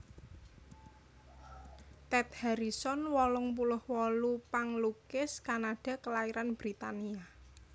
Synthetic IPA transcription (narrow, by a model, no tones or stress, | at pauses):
t̪ɛt̪̚haɾisɔnwɔlɔŋpulʊhwɔlupaŋlukɪskanaɖ̥a̤kəlaiɾanb̥ɾit̪ania